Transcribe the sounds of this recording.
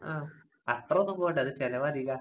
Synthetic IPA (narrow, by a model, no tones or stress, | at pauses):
aː | ɐt̪rɐonːumboɣɳɖɨɐðɨt͡ɕelɐʋaːd̪ʱiɣa